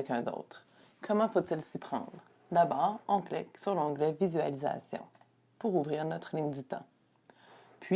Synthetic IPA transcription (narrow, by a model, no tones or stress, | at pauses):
ɛkʲɛ̃d̪o̰ːt̪χ | kʰɔmɑ̃fot̪ɪlsipχɑ̰̃ːd̪ʁ | d̪abɔːʁɑ̃klɛksyʁlɑ̃ɡlɛvizyaliza̰sjɔ̰̃ | puʁuvʁiːʁnɔt̪χəlɪŋd̪yt̪ɑ̰̃ | pʰɥi